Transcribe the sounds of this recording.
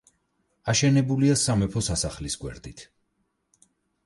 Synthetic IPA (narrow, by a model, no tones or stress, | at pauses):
aʃɛnɛbuliasamɛpʰɔsasaχlisɡwɛ̰ɾd̪it̪ʰ